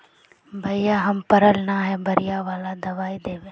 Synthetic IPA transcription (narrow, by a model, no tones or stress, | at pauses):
bʱəɪjaːɦɐmpəɾəlnaːɦɛːbʱəɾɪjaːʋaːlad̪ɐʋaːid̪eːʋẽː